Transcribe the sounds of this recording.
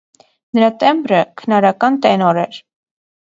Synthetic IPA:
nəɾɑt̪ɛmbɾəkʰənɑɾɑkɑnt̪ɛnɔɾɛɾ

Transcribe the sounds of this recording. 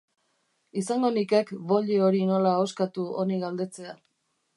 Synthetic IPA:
isaŋɡo̞nike̞kβo̞ʎeoɾino̞laoskat̪uo̞niɣald̪e̞t͡se̞a

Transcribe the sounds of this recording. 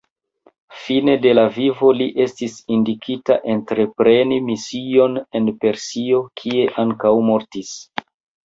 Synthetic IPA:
fine̞de̞lavivo̞liʔe̞stisindikʰita̰ʔe̞ntɾe̞pɾe̞nimisio̞ne̞npe̞ɾsio̞kʰie̞ʔaŋkawmo̞ɾtis

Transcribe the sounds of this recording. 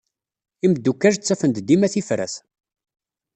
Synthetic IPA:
iməd̪ːukːæʒt͡sːæfənd̪d̪imæθifɾæ̰θ

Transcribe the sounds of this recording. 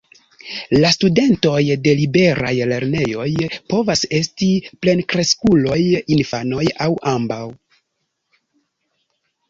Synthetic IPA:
lastude̞nto̞jde̞libe̞ɾa̰jle̞ɾne̞jo̞jpo̞vase̞stiple̞nkɾe̞skulo̞jinfano̞jawʔambaw

